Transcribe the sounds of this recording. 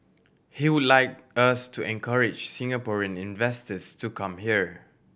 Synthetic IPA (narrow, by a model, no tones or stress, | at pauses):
hiwudlaɪk̚astʰuʔɛ̃nkʰaɹɪd͡ʒsĩŋapɔɹiə̃nĩnvɛstəstukʰãmhiəɹ